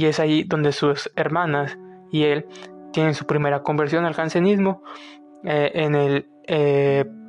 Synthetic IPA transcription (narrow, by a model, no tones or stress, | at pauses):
ie̞saʝiðo̞nd̪e̞suse̞ɾmãnas | ie̞lt̪je̞ne̞nsupɾime̞ɾako̞mbeɾsjo̞nalkansenizmo̞ | eʔenel | e